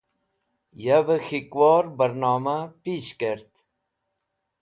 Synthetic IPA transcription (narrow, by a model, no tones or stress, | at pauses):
jabəxikwɑːɾbəɾnɑːmapiːʃkeɾt̪